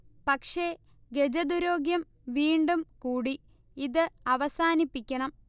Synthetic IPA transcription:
pɐkʂe̞ | ɡe̞d͡ʑɐd̪uɾoːɡjɐm | ʋiːɳɖumkuːɽi | iðɨɐʋɐsaːnipːikʲːɐɳɐm

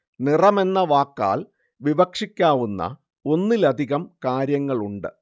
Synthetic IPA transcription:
nirɐme̞nːɐʋaːkːa̰ːl | ʋiʋɐkʂikʲːaːʋunːɐ̰ | o̞nːilɐd̪ʱiɣɐmkaːɾjɐŋːɐɭuɳɖɨ̰

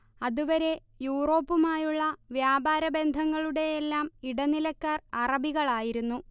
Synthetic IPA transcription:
ɐðuʋɐɾe̞ | juːro̞ːpːumaːjuɭːɐʋjaːbaːɾɐbe̞nd̪ʱɐŋːɐɭuɽe̞jelːaːmiɽɐnilɐkːaːrɐrɐbiɣɐɭaːjiɾunːu

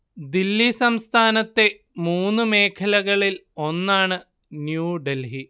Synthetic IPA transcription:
d̪ilːisɐmst̪ʰaːnɐt̪ːe̞ | muːnːɨme̞ːkʰɐlɐɣɐɭilo̞nːaːɳɨ | njuːɖelɦi

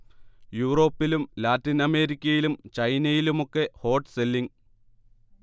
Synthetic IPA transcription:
juːro̞ːpːilumlaːtːinɐme̞ːɾikʲːɐjilumt͡ɕɐjnɐjilumokːe̞ho̞ːʈselːiŋ

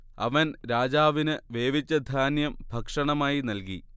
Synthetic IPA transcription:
ɐ̰ʋɐnɾaːd͡ʑaːʋinɨʋeːʋit͡ɕːɐd̪ʱaːnjɐmbʱɐkʂɐɳɐmaːjinɐlki

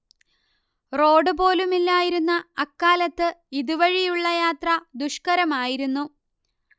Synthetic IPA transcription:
ro̞ːɖɨpo̞ːlumilːaːjiɾunːɐːkːaːlɐt̪ːɨiðuʋɐɻijuɭːɐjaːt̪rɐd̪uʂkɐɾɐmaːjiɾunːu

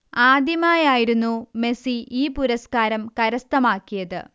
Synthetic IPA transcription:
aːd̪ʱjɐmaːjaːjiɾunːume̞siiːpuɾɐskaːɾɐmkɐɾɐst̪ɐmaːkːijɐðɨ̰

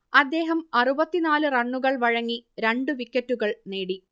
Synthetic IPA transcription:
ɐd̪ːe̞ːɦɐmɐrubɐt̪ːinaːlɨrɐɳːuɣɐɭʋɐɻɐŋːiɾeɳɖɨʋikːɐtːuɣɐɭne̞ːɽi

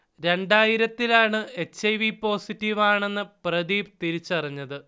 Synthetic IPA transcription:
ɾe̞ɳɖaːjiɾɐt̪ːilaːɳɨe̞t͡ɕːɐjʋipo̞ːsitːiʋaːɳe̞nːɨprɐðiːbt̪iɾit͡ɕːɨpɐrɐɲːɐðɨ

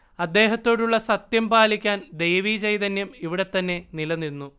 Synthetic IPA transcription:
ɐd̪ːe̞ːɦɐt̪ːo̞ːɽuɭːɐsɐt̪jɐmpaːlikʲːaːnd̪ejʋiːt͡ɕejt̪ɐnːjɐmiʋiɽe̞t̪ːɐnːe̞nilɐninːu

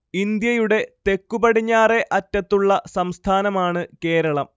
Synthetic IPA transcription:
ind̪jɐjuɽe̞t̪e̞kːubɐɽiɲːaːre̞ʔɐtːɐt̪ːuɭːɐsɐmst̪ʰaːnɐmaːɳɨke̞ːɾɐɭɐm

